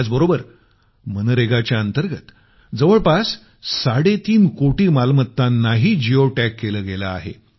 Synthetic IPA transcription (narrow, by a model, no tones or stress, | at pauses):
ad͡zbəɾobəɾ | mənəɾeɡat͡ɕjaənt̪əɾɡət̪ | d͡zəʋəɭpas | saɽet̪iːnkoʈiːmalmət̪ːanːaɦiːd͡ʑioʈækːeləːɡelaa̰ɦḛ